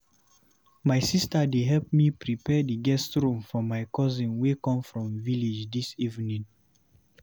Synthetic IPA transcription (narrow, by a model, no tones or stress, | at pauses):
maɪsistadeɦɛlp̚mipɹipɛdiɡɛstɹũmfɔmajkɔzĩnwekɔ̃mfɹɔ̃mvilid͡ʒdisivnĩn